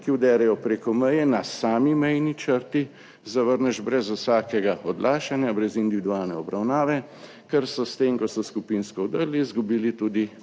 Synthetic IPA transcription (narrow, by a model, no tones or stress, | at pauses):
kiuwd̪ɛːɾɛjɔpɾeːkɔmɛjɛnasaːmimɛjnit͡ʃəɾt̪i | zaʋəɾnɛʒbɾɛzusaːkɛɡaɔd̪lʔaːʃanjabɾɛzind̪iʋid̪uaːlnɛɔbɾawnaːʋɛ | kɛɾsɔst̪eːmkɔsɔskupinskɔɔd̪əɾlizɡubiːlit̪uːd̪i